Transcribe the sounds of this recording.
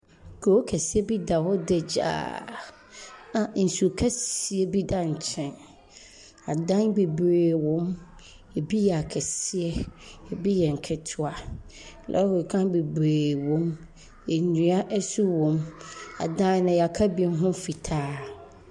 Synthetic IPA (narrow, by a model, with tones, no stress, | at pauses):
kʰo˨o˦kʰɛ˨si˦ɛ˦bi˦da˨wɔ˦dɛ˦d͡ʑa̰ː˦ | ã˨n̩˨su˨kʰɛ˦si˨˦ɛ˦bi˦da˨ɲ̩˨t͡ɕʰɛ̃˦n | a˨dã˦nbe˨bɾeː˨wɔ̃˦m | e˨bi˦jɛ˨a˨kʰɛ˨si˦ɛ˦ɛ˨bi˦jɛ˨ŋ̩˨kʰɛ˨tʰʊ˦a˨lʔɛ̰˦wɔ˨kʰã˦be˨bɾeː˨wɔ̃˦m | e˨ɲĩ˨˦a˦ʔɛ˦su˦wɔ̃˨ma̰˨dã˦nʊ̃˨ja˨kʰa˦bi˨˦n˦ɦʊ̃˦fi˨tʰaː˦